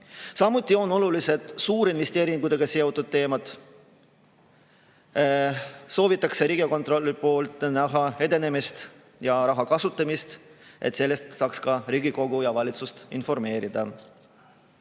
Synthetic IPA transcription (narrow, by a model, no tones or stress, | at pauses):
sɑmːut̪ʲːˑio̞no̞lulise̞d̪̥suːɾinvest̪e̞ːɾiŋɡud̪e̞ɡ̥ɑse̞ot̪ːˑud̪̥̚t̪ːe̞ːmɑt̪ | so̞ːvit̪ːˑɑkse̞ɾiːɡ̥iko̞nt̪ro̞lʲːipo̞ːlt̪ˑnæɦɑe̞d̪e̞ne̞mist̪ | jɑɾɑɦɑkɑsut̪ˑːɑmist̪ʔe̞̰t̪se̞lːe̞st̪sɑːkskɑɾiːɡiko̞ɡ̥ujɑvɑlʲit̪sust̪info̞rme̞ːɾid̪̥ɑ